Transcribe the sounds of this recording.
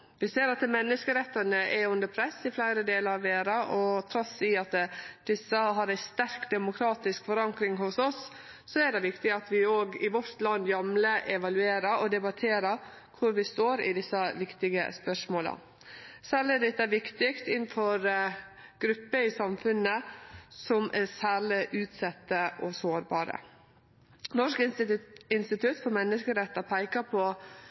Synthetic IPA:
ʋɪseːɾɑt̪mɛnːəskəɾɛt̪ːənəʔɛʉnd̪əɾpʰɾɛsːɪflæɪɾəd̪eːləɾɑʋʋeːɾɑʔɔt̪ʰɾɔsɪɑt̪d̪̥ɪsːəɦɑɾæɪst̪æɾkd̪ɛmʊkʰɾɑːt̪ɪskfɔɾɑŋkɾɪŋhʊsɔsː | ɔɛɖɛʋɪkt̪ɪɑt̪ʋɪoːɡɪʋɔɾt̪lɑnːjɑmləʔɛʋɑlʉeːɾəɾɔd̪ɛbɑt̪ʰeːɾəɾ | kʰʊɾʋɪst̪oːɾɪ̰d̪ɪsːəʋɪkt̪ɪɡə̰spœʂmoːlə̰ | sæːɾɭɪæɖɛt̪ːæʋɪkt̪ɪkt̪ɪn̩fɔɾ | ɡ̥ɾʉpːəɪsɑmfʉnəsɔmʔɛsæːɾɭɪʔʉːt̪sɛt̪ːəʔɔsoːɾbɑːɾə̰ | nɔʂk | ɪnst̪ɪt̪ʰʉt̪fɔɾmɛnːəskəɾɛt̪ːɑpʰæɪkɑpʰɔ

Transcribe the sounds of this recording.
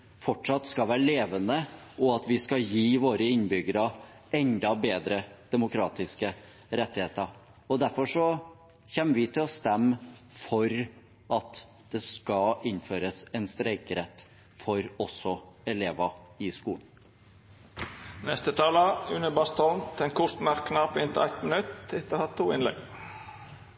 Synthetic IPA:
fɔʈʂɑt̪skɑlʋæːɾəleːʋənəɔɑt̪ʋɪskɑjiːʋoːɾəɪnbʏɡəɾɑ | ɛnd̪ɑbeːd̪ɾəd̪̥ɛmʊkʰɾɑːt̪ɪskə | ɾɛt̪ːɪheːt̪əɾ | ɔd̪æɾfɔʂɔ | çɛːmːəʋɪt̪ʰɪlɔst̪ɛmː | fɔɾ | ɑt̪ | d̪̥ɛskɑɪnføːɾəsɛnst̪ɾæɪkɾɛt̪ː | fɔɾɔsɔɛleːʋɑɪskuːn | nɛst̪ət̪ʰɑːləʉnəbɑst̪ɔnt̪ʰɛnkʰʊʂt̪mæɾkʰːnɑpɪnt̪əæɪt̪mənʉt̪ɪt̪ːəhɑt̪ʰːuːɪnlɛ̰ɡ

